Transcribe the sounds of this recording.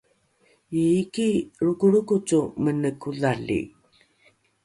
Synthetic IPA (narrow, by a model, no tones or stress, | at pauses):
iikiɾukuɭukut͡sumənəkuðalḭ